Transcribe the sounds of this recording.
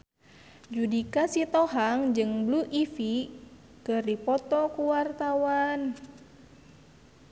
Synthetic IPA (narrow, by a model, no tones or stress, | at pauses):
d͡ʒudikasit̪ɔɦaŋd͡ʒɨŋbluʔifi | kɨrdipɔt̪ɔkuwart̪awan